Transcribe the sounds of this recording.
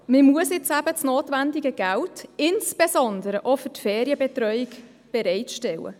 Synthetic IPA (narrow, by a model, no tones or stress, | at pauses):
məmuəsɪt͡sæbət͡snoːtʋændiɡəɡæltɪnsb̥esɔnd̪əɾəʔofʏtfɛːɾiəbɛtɾœʏik | b̥ɛɾɛɪtʃtɛwə̰